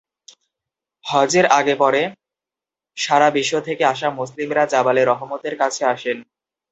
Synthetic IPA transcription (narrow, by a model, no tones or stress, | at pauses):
hɔd͡ʑeɾaɡepɔɾe | ʃaɾabiʃːot̪ʰekeaʃamoslimɾad͡ʑabaleɾɔɦomot̪eɾkat͡ɕʰeaʃen